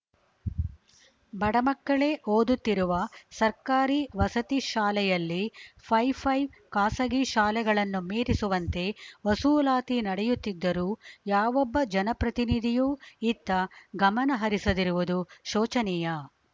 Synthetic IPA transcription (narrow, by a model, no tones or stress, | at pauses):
bɐɽɐmɐkːɐɭe̞ʔoːd̪ut̪ːiɾuʋɐsɐɾkaːɾiʋɐsɐt̪iʃaːlɛjɐlːipʰɐjpʰɐjʋkaːsɐɡiʃaːlɛɡɐɭɐnːumeːɾisuʋɐnt̪e̞ʋɐsuːlaːt̪inɐɽɛjut̪ːid̪ːɐɾuːjaːʋɔbːɐd͡ʒɐnɐpɾɐt̪inid̪ʱijuːit̪ːɐɡɐmɐnɐɦɐɾisɐd̪iɾuʋud̪uʃoːt͡ʃɐnɛjɐ